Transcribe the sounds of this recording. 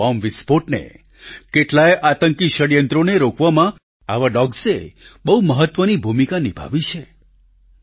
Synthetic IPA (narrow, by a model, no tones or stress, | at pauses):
ɔmʋispoʈnḛ | keʈlajʔat̪əŋkiʃəɽjənt̪ɾoneɾokʋamã | a̰ʋaɖɔɡsebəɦuməɦət̪ʋənibʱumikanibʱa̰ʋit͡ʃʰe